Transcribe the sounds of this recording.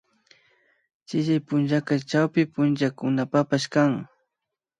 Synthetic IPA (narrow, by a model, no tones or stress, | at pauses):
t͡ʃɪʒajpʊnʒakat͡ʃawpɪpʊnʒakʊnapapaʃkaŋ